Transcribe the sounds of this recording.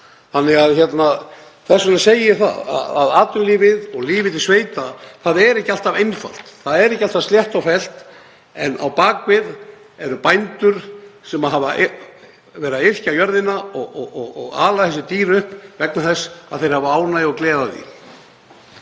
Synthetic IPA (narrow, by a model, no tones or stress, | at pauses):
θanːɪɣaðçɛt̪na | θɛsːʏnɛseːjɪθa̰a̰a̰ðaːt̪ʏliːvɪðɔɣliːvɪt̪ɪsveːjt̪aθaðɛɾɛhcɪal̥t̪avejnfa̰l̥t̪θaðɛɾɛhcɪalt̪ast̪ljɛht̪awfɛl̥t̪ | ɛnʔa̰wpaːkvɪð | ɛɾʏpajnt̪ʏɾ̥sɛmaðɦavaʔ | vɛːɾaɪr̥cawjœɾðɪnaɔɣɔɣɔɣɔɣa̰ːlaθɛs̬ɪt̪iːɾʏhpvɛknaθɛsːaðθejɾ̥havaaːwnaðɔɣklɛːðaðḭ